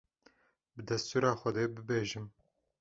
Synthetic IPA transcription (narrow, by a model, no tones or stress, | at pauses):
bɨd̪ɛst̪uːɾɑːxʷɛd̪eːbɨbeːʒɨm